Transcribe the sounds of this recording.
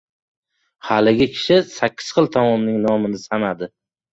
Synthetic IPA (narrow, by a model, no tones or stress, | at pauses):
halɪɡʲɪkʲʰɪ̥ʃɪsakʲʰːɪ̥z̥χɨlˠt̪ʰɒmɒmnɪŋnɒmɪnɪsanad̪ɪ